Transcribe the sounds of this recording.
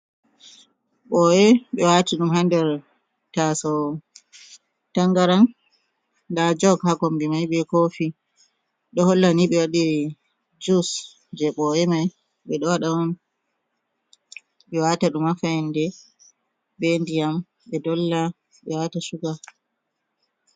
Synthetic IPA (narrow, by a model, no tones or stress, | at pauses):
ɓɔɛɓɛwatiɗumhandɛɾ | tasɔ | taŋɡaɾan | dad͡ʒɔɡhaɡɔmbimajɓɛkofi | ɗɔhɔlːaniɓɛwaɗi | d͡ʒus | d͡ʒɛɓɔɛmaj | ɓɛɗɔwaɗawɔn | ɓɛwataɗumafajɛndɛ | bendijam | ɓɛdɔlːa | ɓɛwatasuɡa